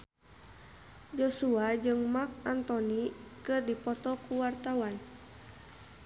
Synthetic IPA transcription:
d͡ʒɔsuad͡ʒɨŋmak̚ant̪ɔnikɨrdipɔt̪ɔkuwart̪awan

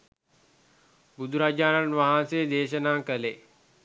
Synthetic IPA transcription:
bud̪ʱuɾad͡ʒaːnənʋaɦãseːd̪eːʃənaːkəle

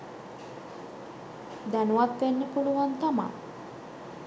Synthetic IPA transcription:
d̪ænuʋat̪ʋenːəpuluʋant̪ama̰

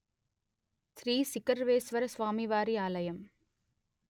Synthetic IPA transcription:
sɾiːsɪkɐɾʋeːsʋɐɾɐsʋaːmiʋaːɾiaːlɐjɐm

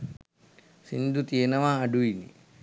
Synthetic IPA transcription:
sind̪ut̪ienəʋaːɖuinḭ

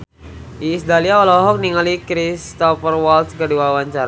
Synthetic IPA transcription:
ʔiːsd̪aliaɔlɔɦɔk̚niŋalikɾist̪ɔfərwɔlt̪skəduawaɲt͡ʃaɾa

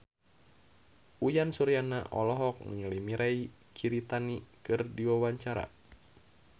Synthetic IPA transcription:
ujansuɾiana̰ʔɔ̰lɔɦɔk̚ŋlimiɾai | kʰiɾit̪anikɨrdiwawaɲt͡ʃaɾa̰

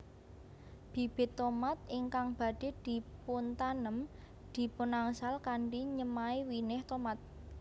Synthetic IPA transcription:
b̥i̤b̥ɪ̤t̪ːɔmat̪̚ɪŋkaŋb̥a̤ɖ̥e̤d̪̥i̤punt̪anəm | d̪̥i̤punaŋsalkaɳɖiɲəmaiwinɪht̪omat̪̚

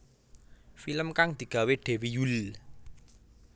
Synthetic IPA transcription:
filəmkaŋd̪̥i̤ɡ̥a̤weɖ̥ɛ̤wijul

